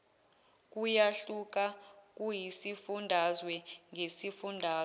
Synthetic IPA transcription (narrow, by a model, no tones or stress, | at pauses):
k̬ʼujaɬuk̬ʼak̬ʼujisifundʱazwɛŋʱesifundʱaː